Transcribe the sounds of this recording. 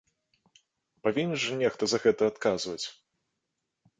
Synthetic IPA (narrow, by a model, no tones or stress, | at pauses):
pavʲinʲːɛʐɨnʲɛxt̪ɐzɐɣɛt̪ɐːt̪kazvɐt͡sʲ